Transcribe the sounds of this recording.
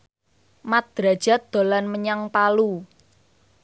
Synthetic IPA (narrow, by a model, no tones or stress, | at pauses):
mat̪̚d̪̥ɾa̤d̥ʒ̥a̤t̪̚d̪̥o̤lanməɲaŋpalu